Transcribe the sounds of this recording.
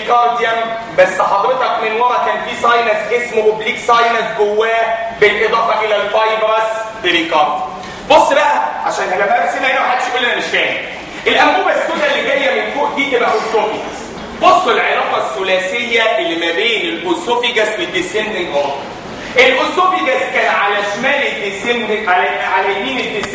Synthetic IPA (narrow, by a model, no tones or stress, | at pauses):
kɑɾd̪jæm | bæsːħɑd̪ˤɾet̪ɑkmɪnwɑɾˤɑkæːnfiːsˤɑjnæsʔesmoʔobliːksɑjnæsɡowːæːbelʔed̪ˤɑːfɑʔelælfɑjbɾˤɑsbeɾikɑɾd̪ | bosˤːbæʔæʕaʃæːnhænæbæɾæsenːæʔenæwaħad̪ːɪ̥ʃkolːænæmɪʃæːnḭ | ʔelʔæmɡuːbæsːonːælːeɡæjːæmenfoːʔd̪iːt̪ebæʔosɾofiɡæs | bosˤːelʕelɑːqɑsːʊlæːsejːæʔelːimæbeːnelʔosofiɡæswed̪ːesend̪ɪŋɡmo | ʔelʔosofiɡæskæːnʕalæʃmæːled̪ːesend̪læʕalæmiːned̪ːes